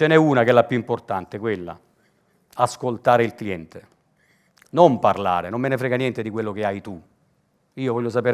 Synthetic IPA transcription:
t͡ʃenɛuːnakeɛlːapjuimport̪ant̪ekwelːa̰ | askolt̪aːɾeilkliɛnt̪e | nomparla̰ːɾenomːenefɾɛːɡanjɛnt̪ed̪ikwelːok̟eajt̪u | iːovɔʎːos̬apeːɾ

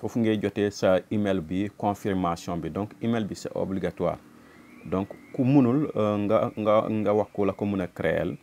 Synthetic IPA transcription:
fofuŋɡeɟotesaimelbikõfiɾmasjõbidõŋkimelbisḛʔo̰bliɡatwa̰ːɾ | dõŋkkumunul | ŋɡŋɡawakːulakomunɐkɾḛl

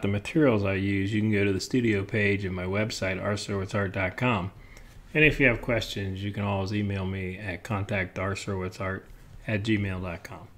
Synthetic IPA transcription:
ðɨmɨtʰɪɹil̩ˠzaɪjʉzjɨkn̩ɡoʊɾɨðɨstʉɾioʊpʰeɪd͡ʒɨ̃nmaɪwɛbsaɪɾɑ̰ɹsɜ˞wɨsɑɹt̚d̥ɑt̚kʰɑ̃m | ɨ̃nɨfjɨːv̥kʰw̥ɛst͡ʃɨ̃nzjɨkɨ̃ñɔlˠwizimeɪlˠmiɨt̚kʰɑ̃ntʰæk̚tɑɹsɜ˞wɨsɑɹɾɨt̚d̥ʒ̥imeɪlˠdɑt̚kʰɑ̃m

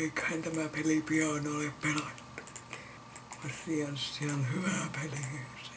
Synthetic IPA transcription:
eikæint̪æmæpelipiɑnoleppelet̪ːu̥ | ɑsiɑnsssiæonhyʋæˑpelis

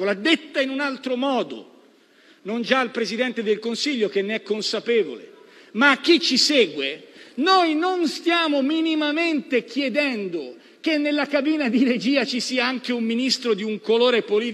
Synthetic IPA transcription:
olad̪et̪ːainunalt̪ɾomɔːd̪o̰ | nond͡ʒailpɾezid̪ɛnt̪ed̪elkonsiʎːokenːeɛkːonsapɛːvo̰le | maːk̟ːit͡ʃːisɛːɡwenojnonst̪jaːmominimament̪ekjɛd̪ɛnd̪o | kenːelːakabiːnad̪iɾed͡ʒiːat͡ʃisiːaaŋkeumːinist̪ɾod̪iuŋkoloːɾepoliː

